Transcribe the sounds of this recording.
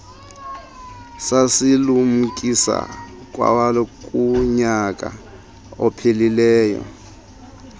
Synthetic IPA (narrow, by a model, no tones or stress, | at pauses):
sasilum̩kʼisa̰ | k̬ʼwa̰walɔkʼuɲakʼa | ɔpʰelilɛːjɔ̰